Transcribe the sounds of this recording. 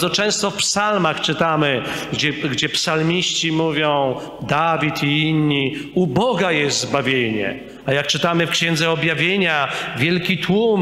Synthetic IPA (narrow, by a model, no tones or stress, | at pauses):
zɔt͡ʂɛ̃w̃st̪ɔfpsalmaxt͡ʂɘt̪amɘd͡ʑɛɡd͡ʑɛpsalmʲiɕt͡ɕimuvʲjɔ̃w̃ | d̪avʲit̪iinɲiubɔɡajɛst̪zbavʲjeɲɛ̰ | ajakt͡ʂɘt̪amɘfkɕɛnd̪zɛɔbʲjavʲjeɲavʲjɛlkʲit̪wum